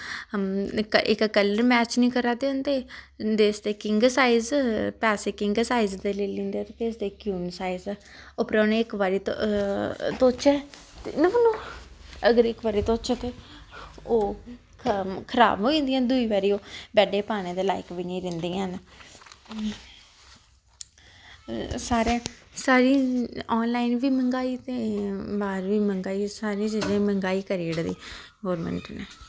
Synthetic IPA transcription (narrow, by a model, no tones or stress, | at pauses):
kɪ̰kkəlːəɾmɛːt͡ʃnĩːkəɾaːd̪eʊnd̪eːd̪eːsd̪eːkɪŋɡsaːɪzpɛːseːkɪ̃ŋɡsaːɪzd̪eːleːlĩːnd̪eːt̪ep̪eːsd̪eːkjuːnsaːizː | opɾoneːɪkʋaːɾiːt̪ | t̪oːt͡ʃɛː | t̪ːnəmənoːəɡəɾɪkʋaːɾiːt̪oːt͡ʃɛːt̪eː | oː | kʰəɾa̰ːbɦoːĩːnd̪ijãːd̪uiːʋaːɾiːoːbɛːɖeːpaːñeːd̪eːlaːɪkʋineːɾɪ̃nd̪iːãːna | saːɾẽːsaːɾiːɔːnlaːɪnʋiːməŋɡaːiːt̪eːbaːɾʋiːməŋɡaːiːsaːɾĩːd͡ʒəd͡ʒẽːməŋɡaːiːkəɾiːɽd̪ḭː | ɡoːɾmə̰ɳʈneː